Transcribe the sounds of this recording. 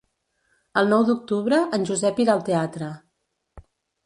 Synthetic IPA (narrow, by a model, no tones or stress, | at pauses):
əlˠnɔwd̪uk̚t̪uβɾəʔənʲʒuzɛpiɾalˠt̪eat̪ɾə